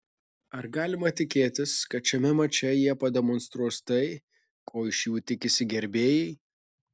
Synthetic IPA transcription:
ɐɾɡɑːlʲɪmɐt̪ʲɪkʲeːt̪ʲɪskɐt̪̚t͡ʃʲɛmʲɛmɐt͡ʃʲɛjiɛpɐd̪ʲɛmɔnst̪ɾuɔst̪ɐɪ | kʰoːɪʃjuːt̪ʲɪkʲɪsʲɪɡʲɛɾʲbʲeːjɛɪ

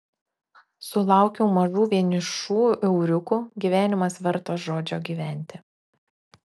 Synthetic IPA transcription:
sʊlˠɑˑʊkʲɛʊmɐʒuːʋʲiɛnʲɪʃuːʔɛʊɾʲʊkuɡʲiːʋʲæːnʲɪmɐsʋʲɛɾt̪oːʒoːd͡ʒʲoːɡʲiːʋʲæˑnʲt̪ʲɪ

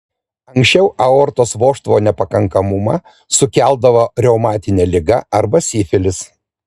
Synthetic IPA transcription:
ɐŋksʲt͡ʃʲɛʊʔɐɔɾt̪oːsʋoːʃt̪ʋoːnʲɛpɐkɐŋkɐmʊmɑ | sʊkʲæˑlˠd̪ɐʋoːɾʲɛʊmɑːt̪ʲɪnʲɛlʲɪɡɐɐɾbɐsʲɪːfʲɪlʲɪs

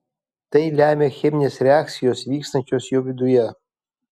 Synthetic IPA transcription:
t̪ɐjlʲæːmʲexʲemʲnʲesrʲeak̪̚sʲijosvʲiːkst̪ɐnʲt͡ʃʲosjovʲɪd̪ujɛ

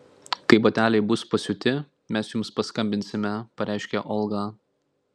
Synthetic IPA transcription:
kɐɪboːt̪ʲæːlʲɛɪbʊspɐsʲʊt̪ʲɪ | mʲɛsjʊmspɐskɐmʲbʲɪnʲsʲɪmʲɛpɐɾʲæˑɪʃʲkʲɛʔɔlˠɡɑː

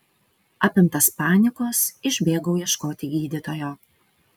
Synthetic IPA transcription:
ɑpʲɪmt̪ɐspɑːnʲɪkoːsɪʒʲbʲeːɡɐʊjiɛʃkoːt̪ʲɪɡʲiːd̪ʲɪt̪oːjoː

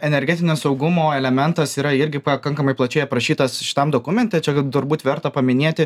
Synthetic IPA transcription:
ɛnʲɛɾʲɡʲɛːt̪ʲɪnʲɛssɐʊɡʊmoːɛlʲɛmʲɛnt̪ɐsiːɾɐɪɾʲɡʲɪpɐkɐŋkɐmɐɪplˠɐt͡ʃʲɛɪɐpɾɐʃʲiːt̪ɐsʃʲɪ̥t̪ɐmd̪oːkʊmʲɛnʲt̪ʲɛt͡ʃʲɛt̪ʊɾbuːt̪ʲʋʲɛɾt̪ɐpɐmʲɪnʲeːt̪ʲɪ

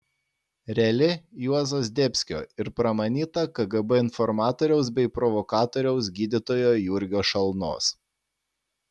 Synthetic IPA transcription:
ɾʲɛlʲɪjuɔzoːsd̪ʲɛpʲsʲkʲo̰ːɪɾpɾɐmɐnʲiːt̪ɐkɐɡɐbɛɪnfɔɾmɑːt̪oːɾʲɛʊsbʲɛɪpɾɔʋɔkɑːt̪oːɾʲɛʊs̬ɡʲiːd̪ʲɪt̪oːjoːjuɾʲɡʲoːʃɐlˠno̰ːs

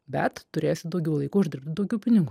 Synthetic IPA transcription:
bʲɛt̪t̪ʊɾʲeːjsʲɪd̪ɐʊɡʲɛʊlˠɐɪkuːʊʒd̪ʲɪɾp̚ʲt̪ʲɪd̪ɐʊɡʲɛʊpʲɪnʲɪɡuː

